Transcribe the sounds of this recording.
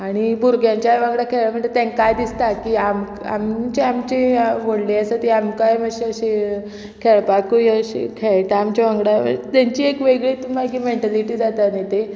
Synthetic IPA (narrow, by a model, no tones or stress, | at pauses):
aɽ̃ibuɾɡʱjãɲt͡ɕajʋãŋɡɽakʰeɭam̤əɳet̪ɛ̃ŋkajd̪ist̪akiːam | a̰mt͡ɕeamt͡ɕeʋoɽleəsət̪iamkajməɕeəɕe | kʰeɭpakujəɕḛkʰeɭʈ̪aamt͡ɕaʋãŋɡɽaʋə̰t̪jaɲt͡ɕiːekʋeɡɭiːt̪umaɡimeɳʈaliʈiːd͡zat̪at̪net̪e